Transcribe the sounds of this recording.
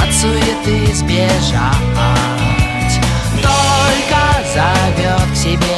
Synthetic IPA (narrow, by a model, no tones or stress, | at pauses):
t̪sujɪt̪ɨzʲbʲeʐa | a | tʲ | t̪olʲkəzavʲot̪fsʲɪbʲe